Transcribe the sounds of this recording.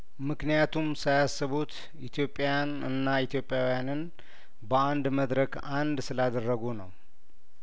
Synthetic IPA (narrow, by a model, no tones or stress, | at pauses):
mɨknijat̪ʰumsajasːɨβut̪ | ʔit̪ʰijo̞pʼːajanɨnːait̪ʰjo̞pʼːjawijanɨn | bəand̪məd̪ɾək | and̪sɨlad̪ərːəɡunə̰w